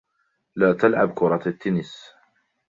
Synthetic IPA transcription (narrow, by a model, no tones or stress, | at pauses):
laːt̪alʕabkʊɾˤɑt̪at̪ːɪnɪs